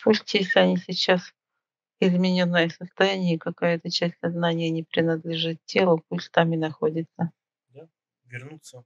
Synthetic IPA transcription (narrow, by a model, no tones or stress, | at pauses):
pusʲtʲjesʲlʲɪɐnʲisʲɪt͡ɕːas | ɪzmʲɪnʲonːəjəsəst̪ɐjanʲɪjəkɐkajəɛt̪ət͡ɕæsʲtʲsɐznanʲɪjənʲɪpɾʲɪnəd̪lʲɪʐɨt̪̚tʲe̞lˠəpusʲtʲt̪amɪnɐxodʲɪt̪sə | vʲɪrʲus